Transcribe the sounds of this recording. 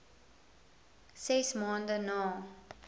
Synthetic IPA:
sesmɔ̃nd̪ənɔ

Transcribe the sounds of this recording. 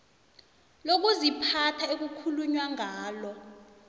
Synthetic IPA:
lok̬uzipʰatʰaek̬ukʰuluɲwaŋaːlɔ

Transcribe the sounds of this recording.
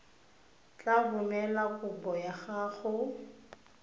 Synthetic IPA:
t͡ɬʼabʊmɛlakʊbɔjaχaχʊ

